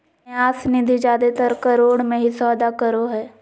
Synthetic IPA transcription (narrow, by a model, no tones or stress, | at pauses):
aːsnid̪ʱid͡ʒaːd̪et̪əɾkɐɾoːɽmẽɦisɔːd̪akəɾoɦɛː